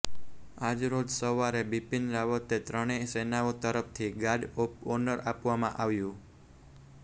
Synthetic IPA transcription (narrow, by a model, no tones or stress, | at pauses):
ad͡ʒɾod͡ʒsəʋaɾebipinɾaʋət̪et̪ɾəɽ̃esenaot̪əɾəpʰt̪ʰiɡaɖopɔnəɾapʋamãʔaʋjũ